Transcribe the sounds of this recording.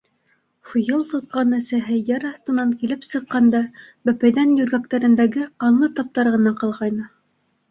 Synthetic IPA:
fujɤlˠt̪ŏt̪̚qɑnɘ̆sæɦɘjæɾɑθt̪ɤ̆nɑŋkilɘpsɤ̆qːɑnd̪ɑbæpæjðænjɵɾɡæk̚t̪æɾɘ̆nd̪æɡɘɑnlˠɤt̪ɑp̚t̪ɑɾʁɤ̆nɑqɑlˠʁɑjnɤ

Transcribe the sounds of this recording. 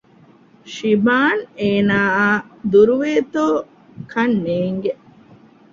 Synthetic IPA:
ʃibaːneːnaːaːd̪uɾuʋeːt̪oː | kʰɐnːeːŋɡe

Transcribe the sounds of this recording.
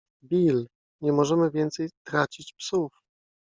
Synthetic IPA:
bʲil | ɲɛmɔʐɛmɘvʲjɛnt̪sɛjt̪ɾat͡ɕit͡ɕpsuf

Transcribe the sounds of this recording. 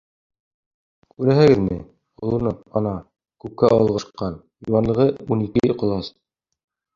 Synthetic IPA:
kʉɾæɦɘ̆ɡɘðmɘ | ŏŏlˠɤ̆nɤɑnɑ | kʉp̚kæʔɑ̰̆lˠʁɤ̆ʃqːɑn | juwɑnlˠɤ̆ʁɤunikɘqŏlˠɑs

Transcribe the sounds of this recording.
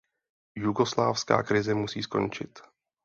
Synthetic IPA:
juɡo̞slaːfska̰ːkɾɪzɛmusḭːsko̞̰nt͡ʃɪt̪

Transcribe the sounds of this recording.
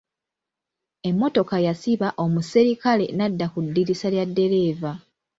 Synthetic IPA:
e̞mːo̞to̞kajasiβaʔo̞museɾikale̞̰nadːakudːiɾisaljadːe̞ɾe̞ːva

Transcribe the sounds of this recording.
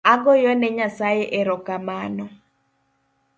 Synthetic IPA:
aɡɔjɔnɛɲasajeʔeɾɔkamanɔ

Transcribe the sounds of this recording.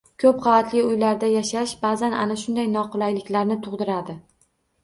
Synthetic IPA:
kʲʰɵpχɑvat̪ʰlɪʊjlaɾd̪ajaʃaʃbaːzananaʃʊnd̪ajnɒqʰʊlˠajlɪkʲlaɾnɪt̪ʰʊʁd̪ɪɾad̪ɪ

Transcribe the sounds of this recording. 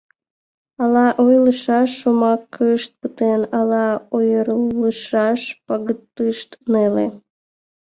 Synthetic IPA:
ɑlɑʔojləʃɑʃːumɑkʰːəʃt̪̚pət̪enɑlɑojəɾləʃɑʃpɑɣət̪ːɨʃt̪nele

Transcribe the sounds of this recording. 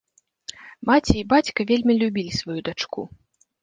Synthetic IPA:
mat͡sʲiːbat͡sʲkɐvʲelʲmʲilʲubʲilʲisvajud̪at͡ʂku

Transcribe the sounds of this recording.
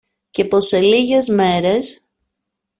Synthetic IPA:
ce̞po̞se̞liʝe̞zme̞ɾe̞s

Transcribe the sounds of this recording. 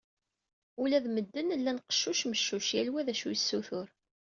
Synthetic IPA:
ulæðməd̪ːənlːænqə̥ʃːuʃməʃːuʃjælwæðæʃujəsːuθʊɾ

